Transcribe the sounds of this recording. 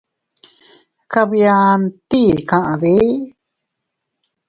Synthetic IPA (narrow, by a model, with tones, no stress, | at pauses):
ka˧βja˧nt̪i˦˨kã˧ʔã˨βe˦